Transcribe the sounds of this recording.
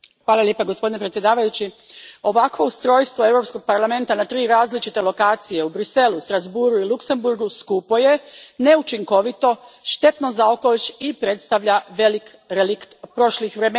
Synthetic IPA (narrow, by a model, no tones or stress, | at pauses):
xʋaːlˠaljeːpaɡospo̞d̪inepɾet̪sje̞d̪aːʋajut͡ɕio̞ʋakʋo̞ust̪ɾo̞jst̪ʋo̞e̞vɾo̞psko̞ɡ̥̚paɾlˠame̞nt̪anat̪ɾiːɾaːzlit͡ʃit̪e̞lo̞kaːt̪sije̞ubɾise̞lust̪ɾazbuɾuilˠukse̞mbuɾɡuskupo̞je̞ne̞ut͡ʃiŋko̞ʋit̪o̞ʃt̪e̞t̪no̞zaoko̞let͡ɕipɾe̞t̪st̪aʋʎaʋelik | elikpɾo̞ʃlixʋɾemː